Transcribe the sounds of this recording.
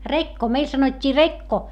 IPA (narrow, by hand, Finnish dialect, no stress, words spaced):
rekːo meil sɑnotʲːiː rekːo